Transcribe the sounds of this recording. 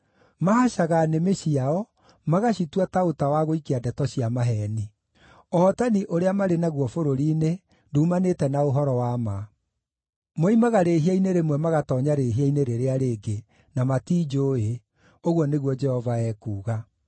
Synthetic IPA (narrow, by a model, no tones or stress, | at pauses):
mahaɕaɣanemeɕiaɔ | maɣaɕitwataotawaɣoikeadɛtɔɕiamaɦɛni | ɔːtaniʔoɾeamaɾenaɣwɔfoɾoɾiːne | nduːmanetɛnaoɦɔɾɔwama | moimaɣaɾeːɦiaineɾemwɛmaɣatɔːɲaɾeːɦiaineɾeɾeaɾeːɡe | namatiːd͡ʒoːe | oɣwɔneɣwɔd͡ʒɛhɔvaɛːkuːɣa